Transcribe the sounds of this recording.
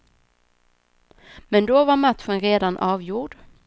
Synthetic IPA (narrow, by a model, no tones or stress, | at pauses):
mɛnd̪ɔvaɾmat̪ɧənɾeːd̪anʔɑːvjuːɖ